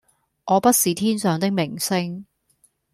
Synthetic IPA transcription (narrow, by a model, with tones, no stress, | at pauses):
ɔː˨˧pɐ˥t̚siː˨t̪ʰiː˥nsœː˨˧ŋt̪ɪ˥k̚mɪ˨˩ŋsɪ˥ŋ